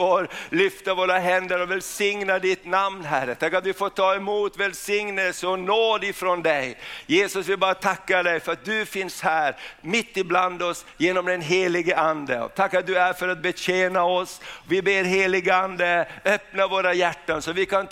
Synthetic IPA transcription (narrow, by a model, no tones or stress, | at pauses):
oɾlʏft̪avoːɾaɦɛnd̪əɾɔvɛlsɪŋnad̪ɪt̪namnɦæɾːət̪ʰakːat̪vɪfoːʈʰɑːɛmuːt̪vɛlsɪŋnəlsəɔnoːd̪ɪfɾɔnd̪ɛjjeːsɵsvɪlbɑːɾat̪ʰakːaɖɛjfœɾat̪̚d̪ɵfɪnshæːɾmɪt̪ːɪbland̪ɔsjeːnɔmd̪ɛnɦeːlɪɡəʔand̪əɔ̰t̪ʰakːat̪̚d̪ɵæɾfœɾat̪̚bɛɕeːnaɔsvɪbeːɾɦeːlɪɡəand̪əœpnavoːɾajæʈːansɔvɪkʰan